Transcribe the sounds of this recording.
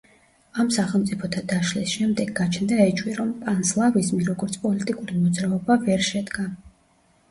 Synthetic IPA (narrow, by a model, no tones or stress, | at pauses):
amsaχɛlˠmt̪sʼipʰɔt̪ʰad̪aʃlisʃɛmd̪ɛɡːat͡ʃʰnd̪aɛt͡ʃʰʼwiɾɔmpʼanslˠavizmiɾɔɡɔɾt̪sʰpʼɔlit̪ʼikʼuɾimɔd̪zɾaɔbavɛɾʃɛd̪ɡa